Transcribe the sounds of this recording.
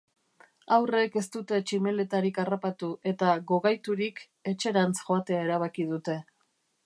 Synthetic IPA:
awre̞ke̞st̪ut̪e̞t͡ʃime̞le̞t̪aɾikarapat̪uʔe̞t̪aɣo̞ɣajt̪uɾik | e̞t͡ʃe̞ɾant͡sʝoat̪e̞ae̞ɾaβ̞akið̞ut̪e̞

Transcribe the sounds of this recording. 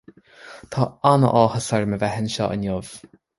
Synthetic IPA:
t̪ʰaanə̰ʔɔːhəsɛɹməvɛɦɪnʃɔ̰ːʔə̰njɔv̥

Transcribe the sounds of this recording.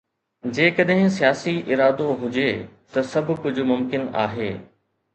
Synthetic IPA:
d͡ʑeːkɐɗɦɪ̃sijaːsiʔɪɾaːd̪oɦʊd͡ʑeːt̪ɐsɐbʱʊkʊd͡ʑʱʊ̆mʊmkɪna̰ːɦeː

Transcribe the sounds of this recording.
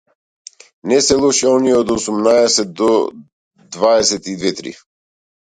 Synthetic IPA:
nɛsɛlˠɔʃɛɔniɛɔd̪ɔsumnaɛsɛt̪̚d̪ɔ | d̪vaɛsɛt̪id̪vɛt̪ɾḭ

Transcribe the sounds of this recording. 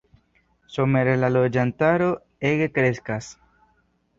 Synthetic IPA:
some̞ɾelalod͡ʒantaɾo̞ | e̞ɡe̞kɾe̞skas

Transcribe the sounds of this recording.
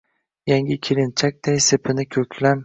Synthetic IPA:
jaŋʲɪkʲʰiɾɪnt͡ʃʰak̚ʲd̪̥ajsepʰɪnɪkʲʰɵkʲʰlam

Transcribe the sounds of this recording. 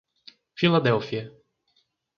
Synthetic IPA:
filad̪ɛwfiɐ

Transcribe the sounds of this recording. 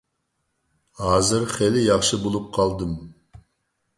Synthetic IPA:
hɑːzɨɾχɛlɪjɑχʃɨbolˠup̚qʰɑlˠd̪ɨm

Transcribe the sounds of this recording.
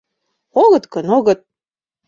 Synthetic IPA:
oɣɤ̆t̪kɤnoɣɤ̆t̪̚

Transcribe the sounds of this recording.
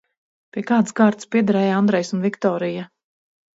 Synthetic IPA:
pʲiɛkaːt̪sɡaːɾt̪spiɛd̪aɾɛːjand̪ɾɛjsunvikt̪ɔːɾija

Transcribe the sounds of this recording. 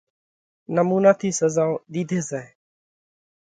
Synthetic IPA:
nəmuːnaːt̪ʰiːsəzaːoɗ̪iːd̪ʱeːsɛː

